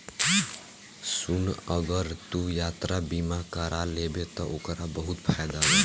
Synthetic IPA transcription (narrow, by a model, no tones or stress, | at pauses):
sunəɡəɾt̪ujat̪ɾabimakəɾʔalebet̪ɔʔokɾabəɦut̪pʰajd̪alɛ